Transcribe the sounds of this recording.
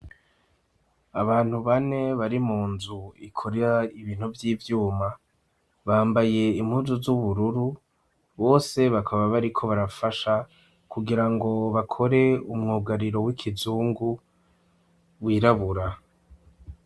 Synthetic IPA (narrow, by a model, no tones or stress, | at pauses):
aβaːn̥huβane̞βaɾimuːnzuikʰoɾeɾaiβiːn̥huvjiːvjuːma | βaːmbaje̞im̥huːzuzuβuɾuɾu | βo̞ːse̞βakʰaβaβaɾikʰo̞βaɾafaʃa | kuɡiɾaŋɡo̞βakʰo̞ɾe̞umŋoːɡaɾiɾo̞wikʰizuːŋɡu | wiːɾaβuɾa